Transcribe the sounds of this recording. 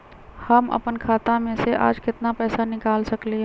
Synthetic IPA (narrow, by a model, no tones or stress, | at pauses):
həmɐ̰pənkʰaːt̪ãmẽseʔa̰ːd͡ʒkɪt̪napɛːsanɪkaːlsɐkli